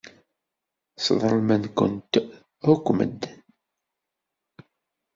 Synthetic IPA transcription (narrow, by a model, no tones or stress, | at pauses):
sə̰ðˤɾəlmænkʊ̰nt̪ | ʊkʷːmə̰d̪ːən